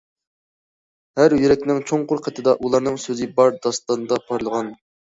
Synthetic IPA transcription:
hæɾjyɾɛk̚ʲnɪŋt͡ʃʰoŋqʰʊɾqʰət̪ʰɨd̪ɑʔulˠɑɾnɨŋsøzɪbɑɾd̪ɑst̪ɑnd̪ɑpʰɑɾlˠəʁɑn

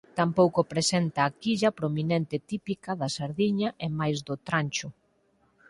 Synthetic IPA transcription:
t̪ampowkʊpɾesent̪ɐːkiʎɐpɾominent̪ɪt̪ipikɐðɐsaɾðiɲɐʔemajzðʊt̪ɾanʲt͡ʃʊ

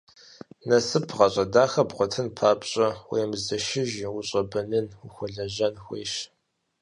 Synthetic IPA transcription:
nɐsɨpʰʁɐɕʼɐdaːxɐpqʷɔtʰɨnpʰaːpʼɕʼɐwḛjmzɐʃɪʒwʊɕʼɐbɐnɨnuxʷɔɮɐʑɐnxʷḛːʃ

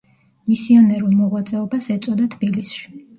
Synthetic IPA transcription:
misianɛɾulˠmɔʁwat̪sʼɛɔbasɛt̪sʼɔd̪at̪ʰbilisʃi̥

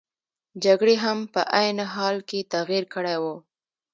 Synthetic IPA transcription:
d͡ʒaɡɽeɦampəʔajnɦɑlket̪aɣiɾkəɽawu

